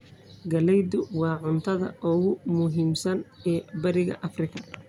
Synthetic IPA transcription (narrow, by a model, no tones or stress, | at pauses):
ɡɐlɛjd̪ʊwɑːʕʊnt̪ʰɐðɐ̰ʔʊɣʊmʊɦiːmsɐnɛːbɐɾɪɣɐ̰ʔɐfrɪkʰɐ